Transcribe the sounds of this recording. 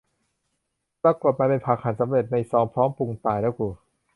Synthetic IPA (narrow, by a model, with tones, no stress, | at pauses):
pɾa˧ko˨˩t̪̚maː˧pe˧npʰaː˨˩k̚ʰa˨˦nsa˨˦mɾe˨˩t̪̚na˧˨˩sɔː˨˦ŋpʰɾɔː˦˥mpu˧˩ŋt̪aː˨˩jdɛː˦˥wkuː˧˩